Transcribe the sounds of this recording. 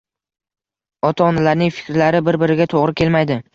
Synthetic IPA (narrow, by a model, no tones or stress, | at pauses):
ɒt̪ʰaɒnalaɾnɪŋfɪ̥kʲɾlaɾɪbɪɾbɪɾɪɡʲat̪ʰoʁɾɪkʲʰe̞lmajd̪ɪ